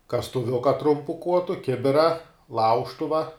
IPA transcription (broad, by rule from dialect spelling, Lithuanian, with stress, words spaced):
kɐstʊˈʋʲʊkɐ ˈtrʊmpʊ ˈkuɔtʊ ˈkʲɪbʲɪrɐ ˈlˠɐʊʃtʊʋɐ